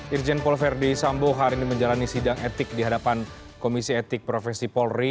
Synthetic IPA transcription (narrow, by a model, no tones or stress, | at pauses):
ird͡ʒɛnpɔlfɛrdisamboɦaɾiniməɲd͡ʒalanisidaŋet̪ɪk̚diɦadapan | komisiɛt̪ɪk̚pɾofɛsipɔlri